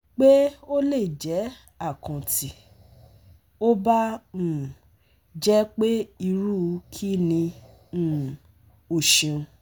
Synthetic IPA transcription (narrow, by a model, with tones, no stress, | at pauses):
k͡pe˦o˦le˦˨d͡ʒɛ˨˦ | a˦˨kã˨ti˨ | o˦ba˦ũ˨ | d͡ʒɛ˦k͡pe˦i˧ɾu˦˨˧kʰi˦˨nĩ˧ | ũ˦˨ | o˨ʃĩ˨ũ˧